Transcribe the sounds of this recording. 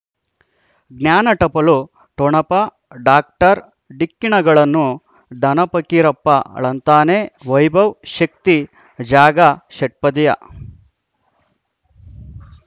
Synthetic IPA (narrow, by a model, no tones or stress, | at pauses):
ɡnjaːnɐʈɐpɐlu | ʈoɳɐpɐ | ɖaːk̚ʈɐɾ | ɖikːiɳɐɡɐɭɐnːu | d̪ʱɐnɐpɐkiɾɐpːɐɐ̰ɭɐnt̪aːneʋɐjbʱɐwʃɐk̚t̪i | d͡ʒaːɡɐʃɐʈ̚pɐd̪ijɐ̰